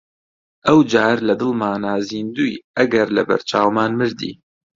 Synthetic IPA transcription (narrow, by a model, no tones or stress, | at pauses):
ʔɐwd͡ʒaːɾlɐd̪ɨlmaːnaːziːnd̪uːjʔɐɡɐɾlɐ̰bɐ̰ɾt͡ʃʰaːwmaːnmɨɾd̪ḭː